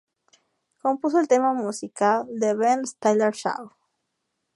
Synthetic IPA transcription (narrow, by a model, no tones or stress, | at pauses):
kompus̬oelt̪emamusikald̪eβenst̪ajleɾʃa̰w